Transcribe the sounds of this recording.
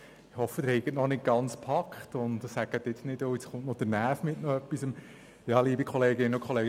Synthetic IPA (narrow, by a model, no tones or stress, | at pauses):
ɪhɔfːəd̥̪ɪɾhɛɪɡətnɔnɪt̚ɡ̥ɑnt͡spʰɑkχtʊntsæɡ̥əd̥̪ɪtnɪdoɪt͡sχʊntnɔdəɾnæːfmɪtnɔœpːisəm | jɑːliːbikʰɔleːɡɪnːʊkχɔleːɡ